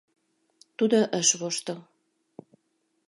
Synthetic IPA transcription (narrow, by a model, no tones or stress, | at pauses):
t̪ud̪oʔəʃβoʃt̪o